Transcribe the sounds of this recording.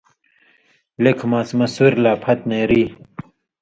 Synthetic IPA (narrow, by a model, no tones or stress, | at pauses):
lekʰmaːt͡smɐsuɾlaːpʰɐt̪neɾiː